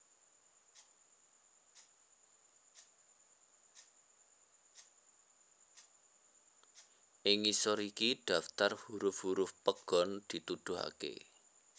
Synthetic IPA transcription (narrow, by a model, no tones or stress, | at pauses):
ʔɪŋisɔɾikiɖ̥a̤ft̪arhuɾʊfhuɾʊfpəɡ̥ɔ̤nd̪̥i̤t̪ud̪̥ʊ̤ɦa̰kḛ